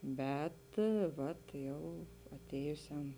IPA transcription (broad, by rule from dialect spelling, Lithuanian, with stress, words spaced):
ˈbʲɛt ˈʋɐt ˈjɛʊ ɐˈtʲeːjʊsʲɛm